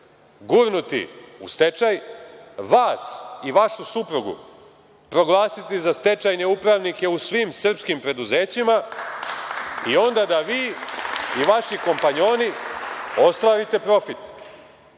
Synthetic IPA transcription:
ɡuɾnut̪ḭṵst̪et͡ʃajʋaːsiʋaʃusupɾuɡṵ | pɾo̞ɡlˠaːsit̪izast̪e̞t͡ʃajne̞upɾaʋnike̞usʋiːmsr̩pskimpɾe̞d̪uze̞ːt͡ɕima | io̞nd̪ad̪aʋiː | iʋaʃiko̞mpaɲo̞ːni | o̞st̪ʋaːɾit̪e̞pɾo̞fit̪

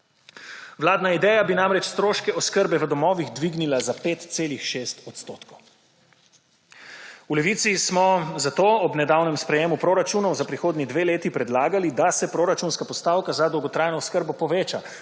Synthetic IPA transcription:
ʋlaːd̪naid̪ɛjabinamɾɛt͡ʃst̪ɾoːʃkɛɔskəɾbɛʋəd̪ɔmɔːʋiɣd̪ʋiɡnilazapeːt̪t̪seːlixʃest̪ɔt̪st̪oːt̪kɔw | ulɛʋiːt̪sismɔzat̪oːɔbnɛd̪awnɛmspɾɛjeːmupɾoːɾat͡ʃuːnɔwzapɾixoːd̪nid̪ʋeːleːt̪ipɾɛd̪laːɡalid̪asɛpɾoːɾat͡ʃunskapɔst̪aːwkazad̪ɔwɡɔt̪ɾaːjnɔːskəɾbɔpɔʋeːt͡ʃa̰

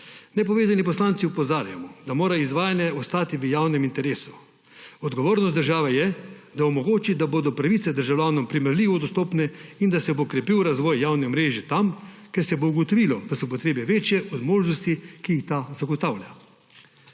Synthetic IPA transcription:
nɛpɔʋeːzanipɔslaːnt̪siupɔzaːɾjamɔd̪amoːɾaizʋaːjanjɛɔst̪aːt̪iʋəjaːwnɛmint̪ɛɾeːsu̥ | ɔd̪ɡɔʋoːɾnɔst̪d̪əɾʒaːʋɛjɛd̪aɔmɔɡoːt͡ʃid̪aboːd̪ɔpɾaʋit̪sɛd̪əɾʒawlʲjʲaːnɔmpɾimɛɾlʲiːʋɔd̪ɔst̪oːpnɛind̪asɛbokɾɛpiwɾazʋɔːjːawnɛmɾeːʒɛt̪am | kɛɾsɛbouɡot̪ɔʋilɔd̪asɔp̬ɔt̪ɾeːbɛʋeːt͡ʃjɛʔɔd̪moːʒnɔst̪ikiixt̪azaɡɔt̪awlʲja̰

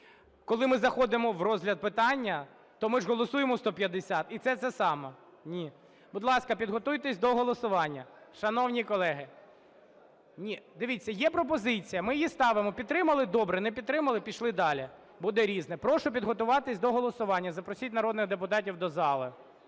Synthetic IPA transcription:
kɔlˠɪmɪzɐxɔd̪ɪmɔʋrɔzʲɦlʲɐd̪̚pɪt̪ɑnʲːɐ | t̪ɔmɪʐɦɔlˠɔsujemɔst̪ɔpʲjɐd̪ːɪsʲɑt̪it̪sɛt̪sɛsɑmɔ | nʲi | bʊd̪lˠɑskɐpʲid̪ɦɔt̪ujt̪ɛsʲd̪ɔɦɔlˠɔsʊʋɑnʲːɐʃɐnɔwnʲikɔlˠɛɦɪ | nʲid̪ɪʋʲit͡sʲːɐjɛpɾɔp̬ɔzɪt͡sʲijɐmɪjjist̪ɑʋɪmɔpʲid̪̚t̪ɾɪmɐlˠɪd̪ɔbɾɛnɛpʲid̪̚t̪ɾɪmɐlˠɪpʲiʃlˠɪd̪ɑlʲi | bud̪ɛɾʲiznɛpɾɔʃɔpʲid̪ɦɔt̪ʊʋɑt̪ɪsʲd̪ɔɦɔlˠɔsʊʋɑnʲːɐzɐpɾɔsʲitʲnɐɾɔd̪nɪxd̪ep̬ʊt̪ɑtʲiwd̪ɔzɑlˠɐ

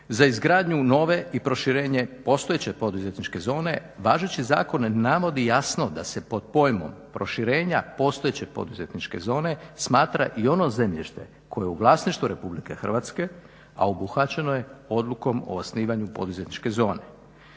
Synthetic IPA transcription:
zaizɡɾaːd̪ɲuno̞ːʋe̞ʔipɾo̞ʃiɾe̞ːɲe̞po̞st̪o̞jet͡ɕe̞po̞d̪uzet̪nit͡ʃke̞zo̞ːne̞ʋaːʒet͡ɕiza̰ːko̞nnaʋo̞d̪ijasno̞d̪ase̞po̞d̪̥̚po̞jmo̞̰mpɾo̞ʃiɾe̞ːɲapo̞st̪oet͡ɕe̞po̞̰d̪uze̞t̪nit͡ʃke̞̰zo̞ːne̞smaːt̪ɾa̰ʔio̞no̞ze̞mʎiʃt̪e̞̰ | ko̞jeuʋlˠaːsniʃt̪ʋuɾe̞publike̞xr̩ʋat̪ske̞ | a̰obuxat͡ɕe̞no̞je̞o̞d̪luko̞mo̰osniːʋaɲupo̞d̪uze̞t̪nit͡ʃke̞zo̞ːne̞

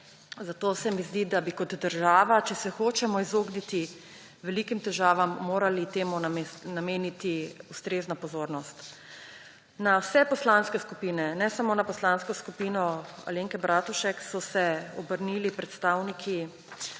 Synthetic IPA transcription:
zat̪osɛmizd̪id̪abikɔd̪d̪əɾʒaːʋat͡ʃɛsɛxoːt͡ʃɛmɔizoːɡnit̪i | ʋɛlikimt̪ɛʒaːʋamːoːɾalit̪eːmunameːnit̪iust̪ɾeːznapɔzoːɾnɔst̪ | nawsɛpɔslanskɛskupiːnɛnɛsamoːnapɔslanskɔskupiːnɔa̰leŋkɛbɾʔat̪uʃɛksɔsɛɔbəɾniːlipɾɛt̪st̪aːwnikʰi

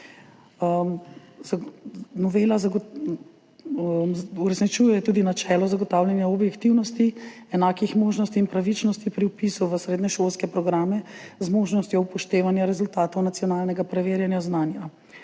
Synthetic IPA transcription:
əm | znɔʋelazaɡ | uɾɛsnit͡ʃujɛɛt̪ud̪inat͡ʃɛlɔzaɡɔt̪aːwljanjaɔbjɛkt̪iwnɔst̪iɛnaːkixmoːʒnɔst̪iːnpɾaʋit͡ʃnɔst̪ipɾiupisuʋəsɾeːd̪nɛʃolskɛpɾɔɡɾaːmɛzmoːʒnɔst̪jɔwpɔʃt̪eːʋanjaɾɛzult̪aːt̪ɔwnat̪sijɔnaːlnɛɡapɾɛʋeːɾjanjaznaːnja

